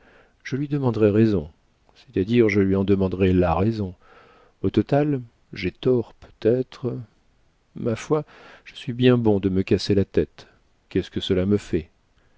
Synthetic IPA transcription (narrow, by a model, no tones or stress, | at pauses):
ʒ̥əlɥid̪əmɑ̃d̪ʁɛʁezɔ̃ | sɛ̥t̪ad̪iʁʒəlɥiɑ̃d̪əmɑ̃d̪ʁɛlaʁezɔ̃ | ot̪ɔt̪al | ʒɛt̪ɔʁpʰø̥t̪ɛt̪χə | mafwaʒ̥əsɥibjɛ̃bɔ̃d̪əməkaselat̪ɛt̪ | kʲɛskəsəlaməfɛ